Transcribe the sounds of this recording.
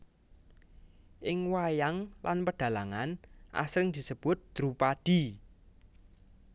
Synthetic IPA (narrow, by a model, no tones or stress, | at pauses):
ʔɪŋwajaŋlanpəɖ̥ä̤laŋanʔa̰sɾɪŋd̪̥i̤səb̥ʊt̪̚d̪̥ɾupad̪̥i̤